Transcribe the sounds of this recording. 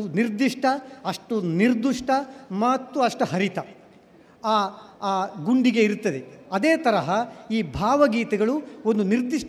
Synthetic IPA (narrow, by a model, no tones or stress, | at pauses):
uniɾd̪iʂʈʰɐɐʂʈuniɾd̪uʂʈʰɐmɐt̪ːuɐʂʈuɦɐɾit̪ɐ | aː | ɡuɳɖiɡe̞iɾut̪ːɐd̪eɐd̪eːt̪ɐɾɐɦɐiːbʱaːʋɐɡiːt̪ɐɡɐɭuo̞nd̪uniɾd̪iʂ